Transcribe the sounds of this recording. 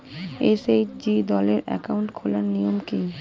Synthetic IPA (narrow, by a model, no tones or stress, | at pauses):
esed͡ʑid̪ɔleɾɛ̰kauɳʈkʰolaɾnijomki